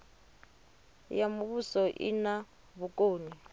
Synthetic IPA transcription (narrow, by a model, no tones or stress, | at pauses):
jamuβusɔʔḭna | βukʼoːni